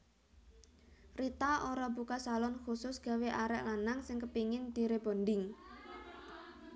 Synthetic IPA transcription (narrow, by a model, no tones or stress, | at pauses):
rit̪aʔoɾɔbukasalɔnxusʊsɡ̥a̤weʔaɾɛ̰ʔlanaŋsɪŋkəpiŋɪnd̪̥i̤ɾeb̥o̤nd̪ɪŋ